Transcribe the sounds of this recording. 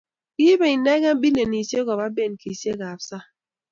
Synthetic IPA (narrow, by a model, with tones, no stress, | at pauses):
ki˦be˨i˨na˦ɣa˦m˦bi˦ne˨ni˨se˦ɡɔ˨ba˦be˦˨n˨ki˨se˦ɡa˨fsa˦